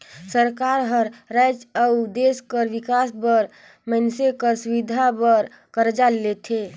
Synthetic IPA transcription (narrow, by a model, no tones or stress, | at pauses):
səɾkaɾɦəɾɾɛd͡ʒawd̪eskəɾʋikasbəɾ | mənsekəɾsuʋid̪ʱabəɾ | kəɾd͡ʒalːet̪ʰe